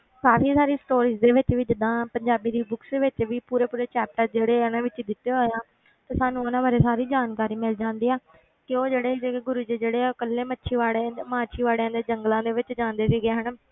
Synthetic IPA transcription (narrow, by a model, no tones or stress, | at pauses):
kaːfʰiːsaːɾiːsʈoːɾiːzd̪eːʋɪt͡ʃʋiːd͡ʒɪd̪ːãːpəɲd͡ʒaːbiːd̪iːbʊksd̪eːʋɪt͡ʃʋiːpuːɾeːpuːɾeːt͡ʃɛːp̚ʈəd͡ʒeːɽeːnãːʋɪt͡ʃd̪ɪt̪ːeːɦoːjãː | t̪eːsaːnũnãːʋaːɾeːsaːɾiːd͡ʒaːnkaːɾiːmɪld͡ʒãːnd̪iːaː | kɪoːd͡ʒeːɽeːd͡ʒeɡʊɾuːd͡ʒiːd͡ʒeːɽeːkəlːeːmətːʃʰiːʋaːɽemãːt͡ʃʰiːʋaːɽeãːd̪eːd͡ʒəŋɡlãːd̪eːʋɪt͡ʃd͡ʒãːnd̪eːsiːɡeːɦəɳ